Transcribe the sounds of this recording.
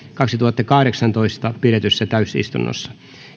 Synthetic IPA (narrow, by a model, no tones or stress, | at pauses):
kɑksit̪uhɑt̪ːɑkɑhɾeksɑnt̪oist̪ɑpiret̪ysːæt̪æysḭst̪ṵnːʔo̰sːɑ̥